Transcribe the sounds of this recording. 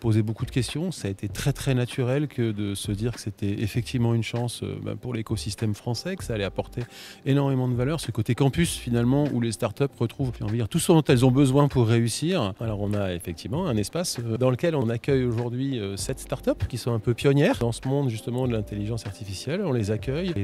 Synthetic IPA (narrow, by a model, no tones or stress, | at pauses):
pozebokud̪əkʲɛst̪jɔ̃saet̪ʰet̪χɛt̪χɛnat̪ʰyʁɛlkʰəd̪əsəd̪iʁkə̥set̪ɛefɛk̚t̪ivmɑ̃ynʃɑ̃sba̰puʁlekosist̪ɛmfχɑ̃sɛkə̥saːlɛapɔʁt̪ʰeenɔʁmemɑ̃d̪əvalœʁsəkot̪ekɑ̃pysfinalmɑ̃ṵlest̪aʁt̪œpʁət̪χuvɔ̃fɛ̃ɔ̃vad̪iʁt̪usɔ̃t̪ɛlzɔ̃bəzwɛ̃puʁːeysiʁalɔʁɔ̃naefɛk̚t̪ʰivmɑ̃ɛ̃nɛspasd̪ɑ̃ləkʲɛlɔ̃nakʲœjoʒuʁd̪ɥiøsɛt̪st̪aʁt̪œpkʲisɔ̃ɛ̃pøpjɔnjɛːʁd̪ɑ̃səmɔ̃d̪ʒyst̪əmɑ̃d̪əlɛ̃t̪eliʒɑ̃saʁt̪ifisjɛlɔ̃lezakʲœj